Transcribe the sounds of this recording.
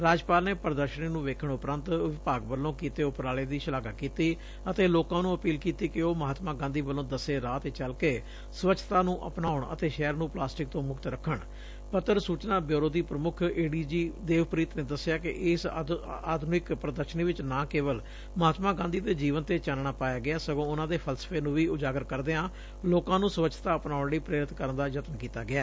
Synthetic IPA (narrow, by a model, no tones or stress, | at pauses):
ɾaːd͡ʒpaːlneːpəɾəd̪əɾʃəniːnũːʋeːkʰəɳʊpɾənt̪ʋɪpaːɡbəlːõːkiːt̪eːʊpɾaːleːd̪iːʃəlaːɡaːkiːt̪iː | ət̪eːloːkãːnũːəpiːlkiːt̪iːkɪoːməɦaːt̪mãːɡãːnd̪iːbəlːõːd̪əseːɾaːt̪eːt͡ʃəlkeː | sʋət͡ʃʰːt̪ãːnũːʔəpnaːʊɳə̰t̪eːʃɛːəɾnũːplaːsʈɪk̚t̪õːmʊkt̪ɾəkʰːəɳ | pət̪ːəɾsuːt͡ʃnaːbjoːɾoːd̪iːpɾəmʊkʰeːɖiːd͡ʒiːd̪eːʋpɾiːt̪neːd̪əsɪjaːkɪ̰ʔɪsaːd̪ʱnɪkpɾəd̪əʃəniːʋɪt͡ʃnãːkeːʋəl | məɦaːt̪mãːɡãːnd̪iːt̪eːd͡ʒiːʋənt̪eːt͡ʃaːnɳaːpaːjaːɡɪaːsəɡõːʊnãːd̪eːpʰəlsə̥pʰeːnũːʋiːʊd͡ʒaːɡəɾkəɾd̪eːãː | loːkãːnũːsəʋət͡ʃʰt̪aːəpnaːʊɳɽiːpɾeːɾɪt̪kəɾənd̪aːd͡ʒət̪mkiːt̪a̰ːɡɪaː